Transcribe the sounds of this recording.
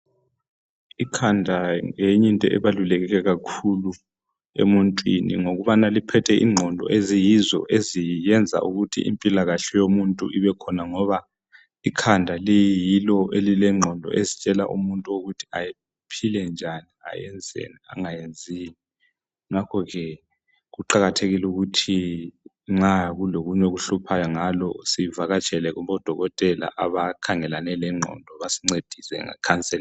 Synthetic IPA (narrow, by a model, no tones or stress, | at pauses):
ikʰandʱaŋeɲintʼɔ̰ʔɛβalulɛɣɛɣɛɣakʰulu | ḛmuntʼwinḭŋoɣuβanalipʰɛtʰɛʔḭŋ͡ǃʱɔndʱɔ̰ʔezijizɔ̰ʔezijɛnd͡zʱa̰ʔuɣutʰḭʔḭmpʼilaɣaɬɛjomuntʼṵʔiβɛkʰɔnaŋɔβa | ikʰandʱalejiijilɔʔelilɛŋ͡ǃʱɔndʱɔ̰ʔezit͡ʃʼɛla̰ʔṵmuntʼuoɣutʰi̥aji | pʰilɛnd͡ʒʱania̰jɛnd͡zʱḛnia̰ŋajend͡zʱini | ŋakʰɔɣɛ | ɣuǃaɣatʰeɣiluɣutʰi | ŋ͡ǁaɣuloɣuɲɛɣuɬupʰajɔŋalɔsivaɣat͡ʃʼɛlɛɣuβɔd̥ʱɔɣɔtʼɛla̰ʔaβakʰaŋɛlanɛlɛŋ͡ǃʱɔ̰ndʱɔβasi̥ŋ͡ǀed̥ʱisɛ̰ŋɛ̰kʰant͡sʼɛl